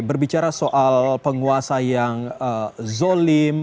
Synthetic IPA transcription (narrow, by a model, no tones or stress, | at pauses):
bərbit͡ʃaɾasoʔalpəŋuasajaŋəzolɪm